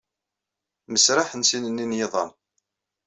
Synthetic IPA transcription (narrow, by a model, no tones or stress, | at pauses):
məsɾaħənsinənːinjeðˤɑ̰m